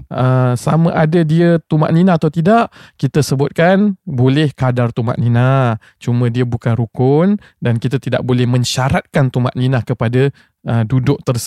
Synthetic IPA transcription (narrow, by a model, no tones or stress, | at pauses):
əsamə̃ʔadadiət̪uma̰ʔninat̪awt̪idaʔkit̪əsəbʊt̪̚kanbolɛhkadart̪uma̰ʔ̪̚nina | t͡ʃumə̃diəbukanɾukʊn | dankit̪at̪ida̰ʔ̚bolɛhmə̃ɲʃaɾat̪̚kant̪uma̰ʔninahkəpada | ʔədudʊʔ̚t̪ərs